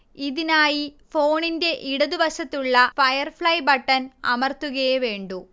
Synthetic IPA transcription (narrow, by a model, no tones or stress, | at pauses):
iðinaːjifo̞ːɳinde̞ʔiɽɐðuʋɐɕɐt̪ːuɭːɐfɐjɐrfɭɐjbɐʈːɐnɐ̰mɐrt̪ːuɣɐjɐʋe̞ːɳɖu